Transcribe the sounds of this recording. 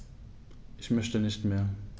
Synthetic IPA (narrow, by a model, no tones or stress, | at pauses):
ʔɪçmœçtənɪçtmeːɐ